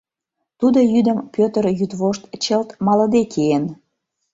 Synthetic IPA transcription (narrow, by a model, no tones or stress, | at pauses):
t̪ud̪ojyd̪ə̆mpʲøt̪əɾjyt̪βoʃt̪t͡ɕəlt̪mɑlə̆d̪ekʰeen